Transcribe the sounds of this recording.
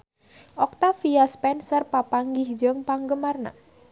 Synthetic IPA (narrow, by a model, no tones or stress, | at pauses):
ʔɔk̚t̪afijaspɛnsərpapaŋɡɪhd͡ʒəŋpaŋɡəmarna̰